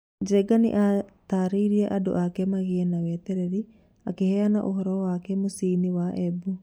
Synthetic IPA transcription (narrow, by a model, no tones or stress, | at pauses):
d͡ʒɛɡanḭʔat̪aɾiɾiɛʔado̰ʔakɛmaɣiɛnawɛt̪ɛɾɛɾi | a̰kehɛanaʔoɦɔɾɔwakɛmosiːniwaʔɛbu